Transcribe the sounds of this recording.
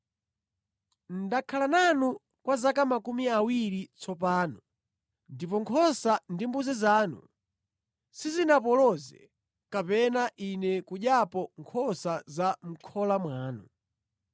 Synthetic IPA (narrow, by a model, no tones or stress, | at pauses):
n̩dakʰalananu | kwazakamakumiawiɾit͡sɔpaːnɔ | ndipɔŋkʰɔsandimbuzizaːnṵ | sizinapɔlɔzɛ̰ | kapɛnaʔinɛkuɗapɔŋkʰɔsazam̩kʰɔlamwaːnu